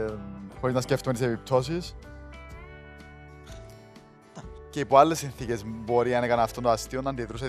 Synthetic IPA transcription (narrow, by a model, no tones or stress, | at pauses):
xo̞ɾiznɐsceft̪umnt̪isepip̚t̪ʰo̞sis | ceipoalːesːinθice̞zbo̞ɾinɐnekɐnɐft̪ot̪ɐst̪ionːɐnd̪iðɾus̬e